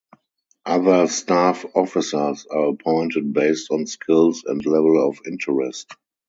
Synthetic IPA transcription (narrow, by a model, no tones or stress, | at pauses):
ʔaðə˞stafɔfɪsə˞saːəpʰɔ̃ɪ̃ntət̚beɪstɔ̃nskʰɪlsɛ̃ntlɛvəlɔfɪ̃ntʰəɹɛst